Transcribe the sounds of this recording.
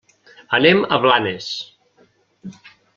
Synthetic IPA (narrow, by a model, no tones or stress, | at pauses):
əneməβlanes